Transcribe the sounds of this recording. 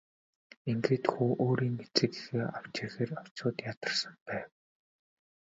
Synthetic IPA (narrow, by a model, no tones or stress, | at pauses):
eŋɡeːt̪xuːʔoːɾiːŋet͡sɘ̆kexeːaw̥t͡ɕĭxeːraw̥t͡ɕʊːt̪jat̪ə̆rsə̆mpæːw